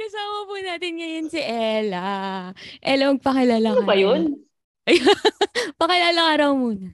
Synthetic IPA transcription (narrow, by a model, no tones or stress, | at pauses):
kɐsaːmɐpunaːt̪ɪnŋɐjɐnsɪʔɛlɐ | ʔɛlɐmɐɡ̚pɐkɪlaːlɐbɐjon | ʔɐjapɐkɪlaːlɐŋaɾɐwmuːnɐ